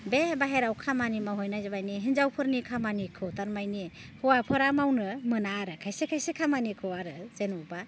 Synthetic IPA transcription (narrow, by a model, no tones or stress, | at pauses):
bebaɦeɾawkʰamanimaɦɔjnajzebajniɦind͡ʒawpʰɯɾnikʰamanikʰɯtaɾmajnihɔwapʰɯɾamawnɯmɯnaɾɯkʰajsekʰajsekʰamanikʰɯwaɾɯzenuba